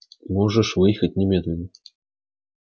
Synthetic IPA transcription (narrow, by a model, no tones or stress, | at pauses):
mɔʐəʂvɨjxɐt͡sʲnʲɛmʲɛd̪lʲɛnːɐ